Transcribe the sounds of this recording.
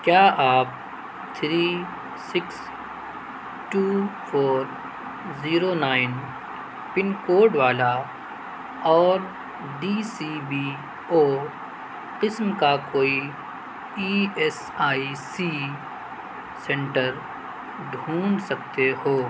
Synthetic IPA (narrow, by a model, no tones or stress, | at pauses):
kjaːaːp̚ | t̪ʰɾiː | sɪks | ʈuːfʰoːɾ | ziːɾonaːɪn | pɪnkoːɖʋaːla | ɔːɾ | ɖiːsiːbi | oː | qɪsmkakoːi | iːɛs | aːisiː | sɛ̃ɳʈəɾ | ɖʱũːnsɐk̚t̪ehoː